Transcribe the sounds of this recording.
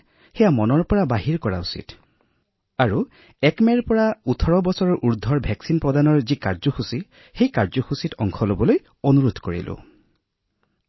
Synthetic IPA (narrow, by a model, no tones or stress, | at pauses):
xɛjamɔnɔɹpɔɹabaɦiɹkɔɹa̰usḭt | aɹu | ɛkmɛɹpɔɹautʰɔɹɔbɔsɔɹɔɹʔuɹd̪ʱːɔɹbʱɛksinpɹɔdanɔɹzikaɹzɔxusi | xejkaɹzɔxusitɔŋkʰɔlobɔloj | onuɹud̪ʱkoɹḭlʔʊ̰